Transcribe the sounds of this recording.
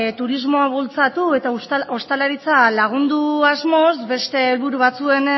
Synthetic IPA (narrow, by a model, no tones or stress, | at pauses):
t̪uɾizmo̞aβult͡sat̪ue̞t̪aost̪alaɾit͡salaɣ̞und̪uazmo̞zbe̞st̪e̞ːlβuɾuβ̞at͡sue̞n